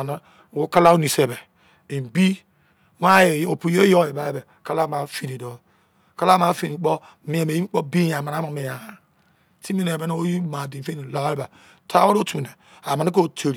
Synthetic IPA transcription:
na˦˨ | wo˦ka˦la˦o˦ni˨se˨be˨ | i˨bi˦ | wa˦e˨˦o˨pu˨jo˦jo˦˨e˨ba˦e˦be˨ | ka˦la˦ma˨fi˨ni˨do˦ | ka˦la˦ma˨˦fi˦ni˨˦k͡po˦ | mi˨˦e˨me˨˦i˦k͡po˦bi˦ja˨ma˨a˦ma˨me˨ja˨a˨ | ti˦mi˦ne˨be˦n˦o˦ji˦ma˨di˨fe˦ni˨la˨˦e˦ba˨ | tʰa˦wo˦ɾo˦tu˨ne˨ | a˨ma˨ni˦k̬o˦˨tʰe˨ɾi˨

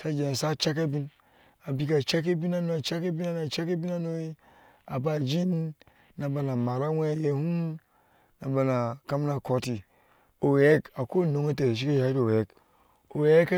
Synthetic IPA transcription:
sa˦d͡ʒe˨sa˦t͡ʃa˦k̬e˦bi˦n | a˨bi˦k̬a˨t͡ʃa˦k̬e˦bi˦na˦no˦a˨t͡ʃa˦ke˦bi˦na˦na˨t͡ʃa˦ke˦bi˦na˦no˦i˦ | a˨ba˦˨d͡ʒi˦nː | a˨ba˨na˨ma˨ɾa˦wʷe˦˨˦je˦hu˦m | na˨ba˨na˨ka˦m˦na˨ko˦ti˨ | o˨we˦ka˨ko˦˨no˨ŋe˦t̬e˨ɾe˨ʃ̬i˦ke˦ja˨˦do˨e˦k | o˨we˦k

